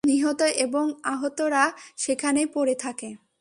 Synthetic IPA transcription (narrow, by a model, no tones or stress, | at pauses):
niɦɔt̪oʔeboŋaɦot̪oɾaʃekʰanepoɾet̪ʰake